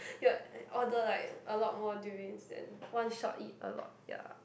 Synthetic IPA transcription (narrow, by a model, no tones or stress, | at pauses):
juɔdəlaɪkʔəlɔt̚mɔduɪ̃ŋsdɛ̰̃nwãnʃɔ̰tit̚ə̰lɔ̰t̚ja̰